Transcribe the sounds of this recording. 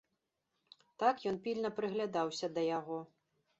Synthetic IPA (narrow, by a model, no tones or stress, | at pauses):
t̪akjɔnpʲilʲnɐpɾɨɣlʲad̪awsʲɐd̪ɐjaɣɔ